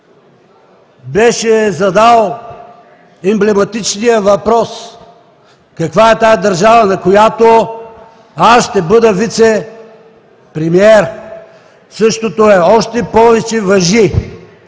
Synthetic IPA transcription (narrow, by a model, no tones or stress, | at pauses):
bɛʃɛzɐd̪alˠ | ɛmblɛmɐt̪it͡ʃnijəvɐpɾɔs | kɐkvaɛt̪ajad̪ɐɾʒavənɐkojat̪o | asʃt̪ɛbɤd̪əvit̪sɛ | pɾɛmiɛɾ | sɤʃt̪ot̪oɛɔʃt̪ɛpɔvɛt͡ʃɛvɐʒi